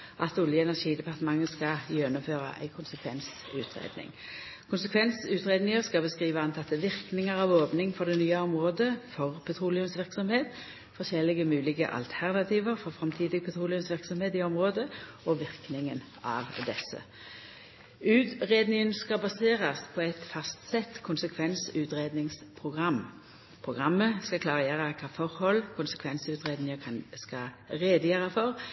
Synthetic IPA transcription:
ʔɑt̪ʊljəɛnæʁʃiːd̪ɛpʰɑʁt̪əmɑŋːəskɑjɛnʊmføːʁɑ̰ʔæ̰ɪkʰʊnsəkʰʋɛns | ʉːt̪ʰʁḛːd̪nɪ̰ŋ | kʰʊnsəkʰʋɛnsʉːt̪ʁeːd̪nɪŋəʁskɑbəskʁiːʋəɑnt̪ʰɑt̪ːəʋɪʁknɪŋəʁɑʋoːpnɪŋfɔʁd̪ɛnyːɑɔmʁoːd̪əfɔʁpʰɛt̪ʰʁuːlɪʊmsʋɪʁksɔmheːt̪ | fɔʁʃɛlɪɡəmʉːlɪɡə̰ʔɑ̰lt̪ʰæʁnɑt̪ʰiːʋəʁfɔʁfʁɑmt̪ʰiːd̪ɪɡəpʰɛt̪ʰʁuːlɪʊnsʋɪʁksɔmheːt̪ɪɔmʁoːd̪ə | ɔʋɪʁknɪŋən | ɑ̰ːʋd̪ɛsːə̰ | ʉːt̪ʁeːd̪nɪŋənskɑbɑseːʁɑspʰɔɛt̪fɑst̪sɛt̪ːkʰʊnsəkʰʋɛnsʉːt̪ʁeːd̪nɪŋspʰʁʊɡʁɑmː | pʰʁʊɡʁɑmːəskɑkʰlɑːʁjeːʁəkʰɑːfɔʁhɔlːkʰʊnsə̥kʰʋɛnsʉːt̪ʁeːd̪nɪŋəkʰɑnskɑ | ʁeːd̪əjøːʁɑfɔʁ

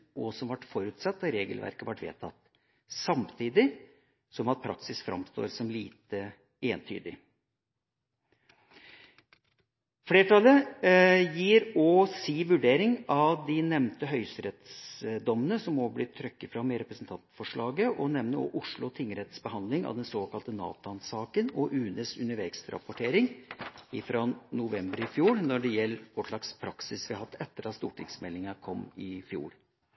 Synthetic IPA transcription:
ɔsɔmʋɑʈːfɔɾʉːt̪sɑt̪̚d̪ɑɾeːɡəlʋæ̰ɾkəʋɑʈːʋḛːt̪ʰɑt̪ː | sɑmt̪ʰiːd̪ɪ | sɔmɑt̪̚pʰɾɑ̰ksɪsfɾʔɑ̰mst̪o̰ːɾsɔmliːt̪ə | eːənt̪ʰy̰ːd̪ɪ̰ | fleːʈʰɑlːə | jiːɾɔsiːʋʉɖeːɾɪŋɑʋd̪ɪnɛmnt̪əɦœʏsəɾɛt̪sd̪ɔmːənəsɔmːɔblɪt̪ʰɾœkːəfɾɑmɛɾɛpɾəsnt̪ʰɑnt̪fɔʂɭɑːɡəʔɔnɛmnəɔ̰ʔʊʂɭʊt̪ʰɪŋːəɾɛt̪sbəɦɑnd̪lɪŋɑ̰ʋd̪ɛnsoːkʰɑlt̪ənɑ̰ːt̪ʊɑnsɑːkənɔʔʉːnəsʉnəɾʋɛksɾɑ̰pɔʈʰeːɾɪŋɪfɾɔnʊʋɛmbəɾɪfjuːɾnɔɖɛjɛlːʋɔʂɭɑkspʰɾɑksɪsʋɪɑhɑt̪ːɛt̪ːəɾɑt̪st̪ṵːʈʰɪŋsmɛlːɪŋɑkʰɔmːɪfjṵːɾ

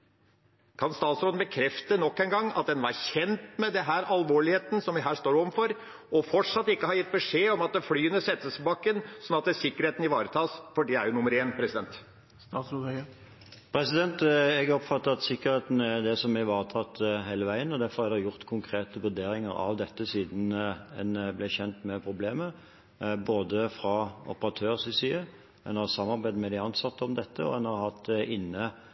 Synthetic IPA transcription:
kʰɑnst̪ɑːt̪sɾoːd̪n̩bəkʰɾɛft̪ənɔkːɛnɡɑŋːɑ̰t̪̚d̪ɛnʋɑɾçɛnt̪mɛd̪ɛnɦæːɾɑlʋoːɭɪheːt̪n̩sɔmʋɪɦæːʂt̪oːɾɔʋəmfɔɾ | ɔfɔʈʂɑt̪ːɪkːəhɑɾjɪt̪̚ːbəʂeːɔmɑt̪̚d̪ɛflyːʉnəsɛt̪ːəsbɑkːənsɔnːɑt̪d̪ɛsɪkːəɾeːt̪nɪʋɑːɾət̪ʰɑːsfɔɖɛæɾjʊnʊmːəɾeːnpʰɾɛsɪd̪ɛnt̪ː | s | pʰɾɛsɪd̪ɛnt̪ɛɡɔpfɑt̪ːəɑt̪sɪkːəɾheːt̪n̩æɾd̪ɛsɔmɛʋɑːʁət̪ʰɑt̪ːɦæɪləʋæɪənɔd̪æɾfɔʁhɑɾd̪ɛjʊʁt̪kʰʊŋkʰɾeːt̪əʋʉd̪eːɾɪŋə̰ɾɑ̰ʋd̪ɛt̪ːəsiːd̪n̩ɛ̰nblɛçɛnt̪mɛpʰɾʊbleːmə | boːd̪əfɾɑɔ̰pəʁɑt̪ʰøːʁsɪsiːə | ɛnhɑːʁsɑmːɑɾbæɪd̪mɛd̪ɪɑnsɑt̪ːəɔmd̪ɛt̪ːəɔ̰ɛnhɑɾhɑt̪ːɪnːə

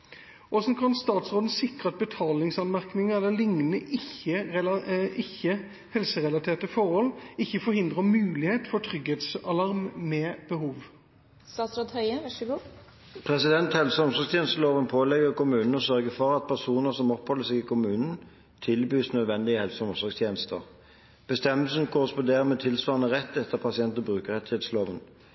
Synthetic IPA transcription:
ʔɔsn̩kʰɑnst̪ɑːt̪sʁoːd̪n̩sɪkʁəɑt̪̚bət̪ʰɑːlɪŋsɑnmæʁknɪŋəɛlːəlɪŋnəʔɪçːəɛlʔɪçːə | hɛlsəʁɛlɑt̪ʰeːʁt̪əfɔɾhɔlːɪçːəfɔɾhɪnd̪ʁəmʉːlɪheːt̪fɔʈ̪ʰʁʏɡheːt̪sɑlɑʁmmɛːb̥əhuːʋ | st̪ɑːt̪sɾoːd̪hœʏəʋɑʂɡuː | pʰʁɛsɪd̪ɛnt̪hɛlsəɔmsɔʁɡst̪jeːnəst̪əloːʋənpʰoːlɛɡəʁkʊmʉːnn̩ɔsœʁɡəfɔʁɑt̪̚pʰæʁsuːnəʁsɔmɔphɔlːəsɛɡɪkʊmʉːnn̩ | t̪ʰɪlbyːsnœd̪ʋɛnd̪ɪəhɛlsəɔmsɔʁɡst̪ʰjeːnəst̪əʁ | b̥əst̪ɛməlsən̩kʰoːʁspɔd̪eːʁəmɛt̪ʰɪlsʋɑːʁənəʁɛt̪ːɛt̪ʰːəʁpʰɑsɪɛnt̪əbʁʉːkəʁɛt̪ɪhɛt̪sloːʋən

